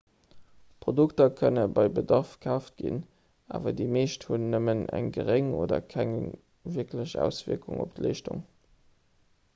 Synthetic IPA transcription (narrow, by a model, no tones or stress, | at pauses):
pʁoduktɐkʰənəbɑɪbədɑʁfkʰæːʊft̚ɡ̥ḭn | a̰ːvɐdiːmeːʃthunːəmənæ̰ŋɡəʁeŋoːdɐ̰kʰæŋ | viɐkʰləʑæ̰ːʊsv̥iəɐkuŋop̚tleːʃtṵŋ